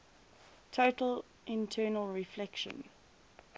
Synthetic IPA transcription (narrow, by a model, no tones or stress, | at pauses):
tʰotəl | ʔɪ̃ntʰɜːnəlˠɹiflɛkʃə̰̃n